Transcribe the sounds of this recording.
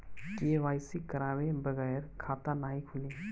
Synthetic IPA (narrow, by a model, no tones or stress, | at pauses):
keːʋaːɪsikəɾaːwẽbəɣɛːɾkʰaːt̪anaːɦikʰʊli